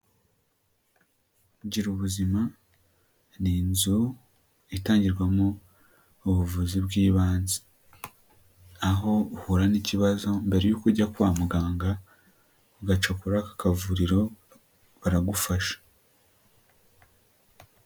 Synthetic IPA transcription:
ɟiɾuβuzima | niːnzu | itaːɲɟiɾɡwamoː | βuvuziβɡiːβaːnze̥ | aɦo̞huɾaniciβazo̞mbe̞ɾe̞juːkuɾɟakuwaːmuɡaːŋɡa | uɡat͡ʃakuɾakḁkavuɾiɾo̞ | βaɾaɡufaʃḁ

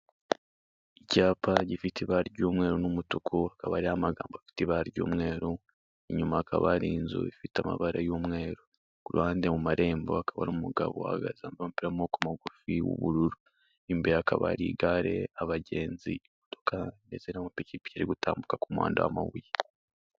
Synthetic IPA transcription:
icaːpʰaɟifitiβaɾiɟoːmŋe̞ːɾonumutokʰoakaβaɾihamaɡaːmboafi̥tiβaɾiɟo̰ːmŋe̞ːɾo | eɲumaːkaβaɾiːnzṵifitama̰βaɾajoːmŋe̞ːɾo | kuɾṵhaːndemumaɾʔe̞ːmboakaβa̰ɾomumuɡaβoa̰ɡa̰zaːmbomupiɾamokumaɡufiwṵβuɾuɾu | imbeakaβa̰ɾḭɡaɾe̞aβaɟe̞ːnzḭmoto̞kanezenamapicipi̥caɾiɡutʰaːmbukakumwa̰ːndawama̰wuje

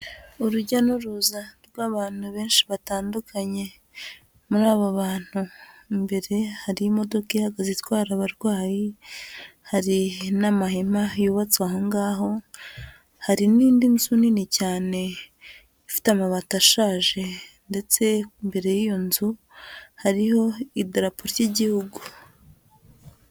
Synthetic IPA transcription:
uɾuɟanuɾuzaɾɡwaːβaːn̥huβe̞ːnʃiβataːndukʰaɲe̞ | muɾaːβoβaːn̥humbe̞ɾe̞haɾiimo̞do̞kihaɡazitwaːɾaβaɾwaːji | haɾinamahemajuːβat͡swaɦoŋɡaːɦo̞ | haɾiniːndinzuninicaːne̞ | ifi̥tamaβataʃaːʒe̞ | nde̞t͡se̞mbe̞ɾe̞jijo̞nzu | haɾiho̞ideɾapoɾtiɟihuɡu

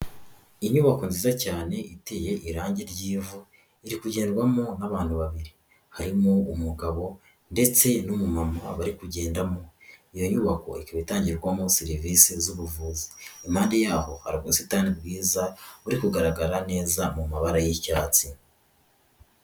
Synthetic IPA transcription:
iɲuːβako̞nziːzacaːne̞ʔiteje̞ʔiɾaːɲɟeɾɟiːvu | iɾikuɟe̞ːndɡwamonaβaːnhuβaβiɾi | haɾimoumuɡaβo̞ | nde̞t͡se̞numumamaβaɾikuɟe̞ːndamoijo̞ɲuβako̞̰ikaβitaːɲɟiɾɡwamosiɾiviːsizuβuvuːziimhaːndejaːho̞haɾiɡasitaːnibɡiːzauɾikuɡaɾaɡaɾane̞ːzamumaβaɾajicaːt͡si

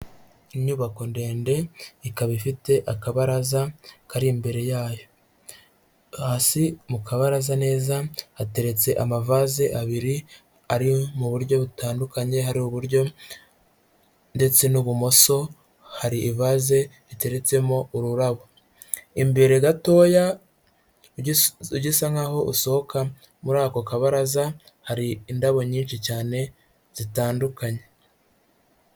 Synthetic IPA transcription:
iɲuβako̞nde̞ːnde̞ikaβifite̞ʔakaβaɾazakaɾimbe̞ɾe̞jaːjo̞ | haːsimukaβaɾazane̞ːzaate̞ɾe̞t͡se̞ʔamavaze̞ʔaβiɾi | aɾimuβuɾɟo̞βutaːndukaɲe̞ɦaɾimuβuɾɟo̞ | nde̞t͡se̞nuβumo̞so̞ | haɾiʔːvaːze̞ | ite̞ɾe̞t͡se̞mo̞uɾuɾaβo | imbeɾeɡato̞ːja | uɟisaŋɡaːho̞ʔuso̞hoka | muɾaːko̞kaβaɾaza | haɾiːndaβo̞ɲiːnʃicaːne̞ | z̥itaːndukaɲe̞

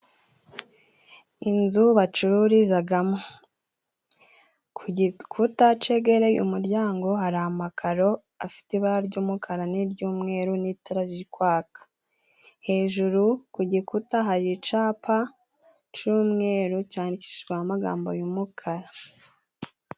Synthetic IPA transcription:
inzuβat͡ʃuɾuɾizaɡamo | kʰutat͡ʃe̞ɡe̞ɾejṵmuɾɟaːŋɡo̞ɦaɾaamakʰaɾo̞ | afi̥tiβaaɾɟuːmukʰaɾaniɾɟuːmŋe̞ːɾunitaɾaʒikwaːkḁ | he̞ːʒuɾukuɟikutaɦaɾit͡ʃaːpʰa | t͡ʃuːmŋe̞ːɾucaːnici̥ʃiɡaamaɡa̰ːmbo̞̰jumukʰaɾa

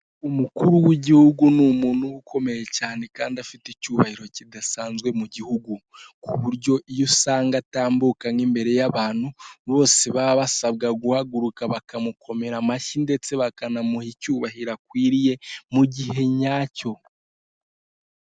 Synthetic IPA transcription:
umukuɾuwiɟihuɡunumuːnhuukʰo̞me̞jecaːne̞kaːndafitecuːβahiɾo̞cidasaːnzɡwe̞muɟihuɡukuβuɾɟo̞ijusaːŋɡataːmbukaŋimbe̞ɾe̞jaβaːn̥huβo̞ːse̞βaβasab̚ɡaɡuhaɡuɾukaβakamukʰo̞me̞ɾamaʃinde̞t͡se̞βakanamuhicuːβahiɾakwiːɾije̞muɟiɦe̞ɲaːco̞

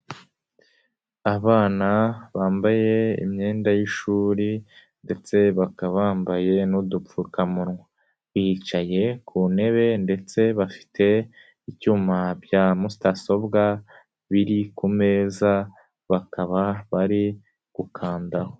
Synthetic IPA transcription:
aβaːnaβaːmbaje̞ḭmɲe̞ːndajiʃuːɾi | nde̞t͡se̞βakaβaːmbaje̞nudufukamuɾŋwa | βiːt͡ʃaje̞kʰune̞βe̞nde̞t͡se̞βafi̥tʰe̞ | icuːmabjaːmustaso̞bɡa | βiɾikume̞ːza | βakʰaβaβaɾi | ɡ̥ukʰaːndaho

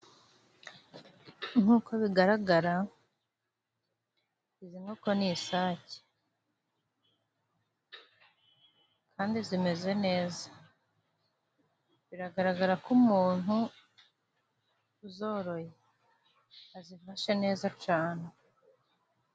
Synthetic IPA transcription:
n̥uːkʰo̞βiɡaɾaɡaɾa | izinoko̞nisaːce̥ | kʰaːndizime̞ze̞ne̞ːza | βiɾaɡaɾaɡaɾakumuːn̥hu | uzo̞ːɾo̞je | azifaʃene̞ːzacaːne

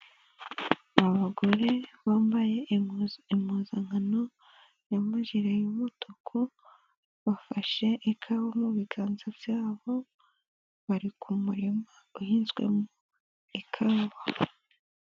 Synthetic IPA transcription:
aβaɡo̞ɾeβaːmbaje̞imuzaŋhano | jamaʒiɾejumotokʰo | βafaʃe̞ʔikʰaβamuβiɡaːnzavjaːβo̞ | βaɾikʰumuɾimauhiːnzɡwe̞̰mu | ikʰaːβa

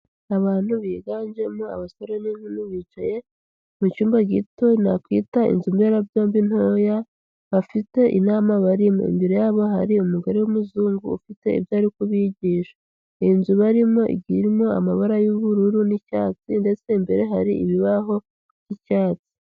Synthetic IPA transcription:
aβaːn̥huβiːɡaːɲd͡ʒe̞mua̰βasoɾaninunuβiːt͡ʃaje̞ | mucuːmbaɡito̞nakwḭːtaḭnzumbeɾabjo̞ːmbin̥hoja | βafite̞ʔḭnaːmaβaɾimo̰ḭmbiɾe̞jaːβo̞ɦaɾiumuɡaɾewomuzuːŋɡṵːfite̞ḭbjaːɾikuβiɟiːʃḁ | inzuβaɾimo̞ʔḭɡiɾimo̞a̰maβaɾajuβuɾuɾunica̰ːt͡sinde̞t͡se̞mbe̞ɾe̞ɦaɾiiβiβaɦo̞̥ | icaːt͡si̥

